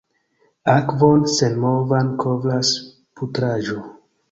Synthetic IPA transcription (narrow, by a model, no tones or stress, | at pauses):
akvo̞nsenmovankʰovɾas | putɾaʒo